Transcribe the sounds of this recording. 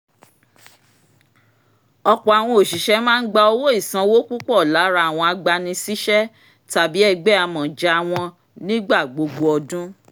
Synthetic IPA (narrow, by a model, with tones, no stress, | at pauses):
ɔ˧k͡pɔ˨a˨w̃ɔ̃˧o˨ʃi˨ʃɛ˨˦mãː˦n̩˦ɡ͡ba˧o˧wo˦i˦˨sã˧wo˦ku˦kɔ˦˨la˨˦ɾa˧˦a˨w̃ɔ̃˧a˧ɡ͡ba˧nĩ˧si˦ʃɛ˦ | ta˨bi˨˦ɛ˦˨ɡ͡bɛ˦a˧mɔ̃˨d͡ʒɛ˧a˧w̃ɔ̃˧ | nĩ˦ɡ͡ba˦˨ɡ͡bo˧ɡ͡bo˧ɔ˧dũ˦